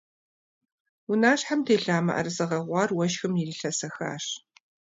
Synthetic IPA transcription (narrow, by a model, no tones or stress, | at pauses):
ʊnaːɕħamtʰeːɬaːmɐ̰ʔɐ̰rɨsɨʁɐʁʷɑːrwɐʃxɨmjiriɬɐsɐxa̰ːʂ